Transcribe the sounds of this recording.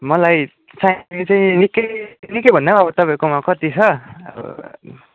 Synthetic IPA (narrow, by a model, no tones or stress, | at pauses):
mʌlaj | t͡sait͡saĩnikːʌjnikːʌjbʱʌnːʌʌbʌt̪ʌpaĩkomakʌt̪it͡sʰʌʌ̰bʌ̰